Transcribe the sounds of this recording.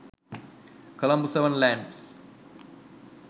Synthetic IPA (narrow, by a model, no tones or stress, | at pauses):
kɐlɐ̃mbuseʋə̃nlæ̃ːɳɖs